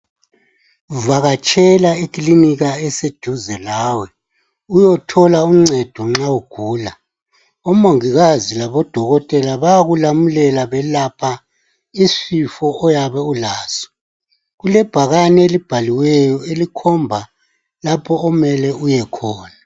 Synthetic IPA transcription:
vaɣat͡ʃʼʰɛlaikʼliniɣaɛsed̥ʱuzɛlaːwɛ | ujɔtʰɔlauŋ͡ǀɛd̥ʱɔŋ͡ǁauɡ̥ʱuːla | umoŋiɣazilaβɔd̥ʱɔɣɔtʼɛlaβaɣulamulɛlaβɛlapʰa | isifɔɔjaβɛulaːsɔ̥ | ɣulɛb̥ʱaɣanɛelib̥ʱaliwɛjɔelikʰɔmbʱa | lapʰɔɔmɛlɛujɛkʰɔːna

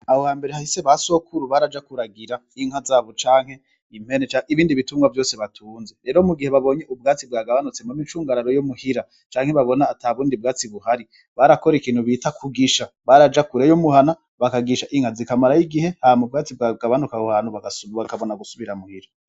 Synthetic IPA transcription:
ahohaːmbe̞ɾehahise̞βaso̞kʰuɾuβaɾad͡ʒakuɾaɡiɾa | iŋ̥hazaːβot͡ʃaːŋhe̞ | im̥he̞net͡ʃaʔiβiːndiβitumŋɡwavjo̞ːse̞βatʰuːnzeɾe̞ːɾomuɡiheβaβo̞ːɲeʔub̚ɡaːt͡sib̚ɡaːɡaβanut͡semomit͡ʃuːŋɡaɾaɾojomuhiɾa | t͡ʃaːŋ̥he̞βaβo̞naːtaβuːndib̚ɡaːt͡siβuɦaɾi | βaɾakoɾikiːnhuβiːtakʰuɡiʃa | βaɾad͡ʒakuɾejomuhana | βakaɡiʃaʔiŋ̥hazikamaɾajiɡihe̞hamub̚ɡaːt͡sibɡaɡaβanukahohaːn̥huβaɡβakaβo̞naɡusuβiɾamuhiɾa

